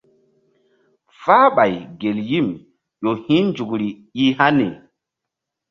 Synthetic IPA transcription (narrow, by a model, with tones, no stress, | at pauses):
fa˦ɓa˨jɡe˨lji˦˨m | ʄo˨hĩ˦nd͡ʒu˨kɾi˨ji˦ha˦ne˨